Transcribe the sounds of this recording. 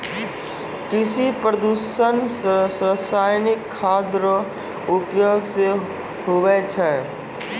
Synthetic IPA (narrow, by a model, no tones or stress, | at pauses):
kɪsipɾəd̪uʃənsɾəsaːjnɪkʰːaːd̪ɾə | ʊpjoːɡse | ɦoʋɛt͡ʃʰɛː